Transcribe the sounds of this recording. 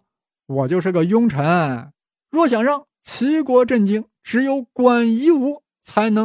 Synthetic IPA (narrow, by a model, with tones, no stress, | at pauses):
wɔ˨˩t͡ɕjo˥˧ʊʂ̬ɻ̩˥˩ɡə˩jʊ˥ŋʈ͡ʂʰə˧˥n | ɻwɔ˥˩ɕ̬jɑ˨˩ŋʂɑ˥˩ŋ | t͡ɕʰi˧˥kwɔ˧˥ʈ͡ʂə˥˩nt͡ɕi˥ŋ | ʈ͡ʂɻ̩˧˥jo˧˥ʊkwa˨˩ni˧˥u˧˥ | t͡sʰa˧˥ɪnɤ˧˥